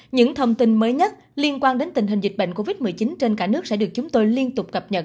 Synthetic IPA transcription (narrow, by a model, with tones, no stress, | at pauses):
ɲɨ̰˧˥ŋt̪ʰə˧wŋ͡mt̪i˧nməː˨˦jɲə˦˥t̚ | li˧ənkwaː˧nɗe˨˦nt̪ï˨˩ŋ̟ɦi̟˨˩zi˨˩k̟̚ɓə̰˧˨ŋko˧vi˦˥t̚mɨ˨˩əjt͡ɕi˨˦nt͡ɕe˧nkaː˧˩nɨ˦˥ək̚sɛ̰˧˥ɗɨ˨˩ək̚t͡ɕʊ˨˦ŋ͡mt̪o˧jli˧ənt̪ʊ˨˩k͡p̚kə˨˩p̚ɲə̰˨˩t̚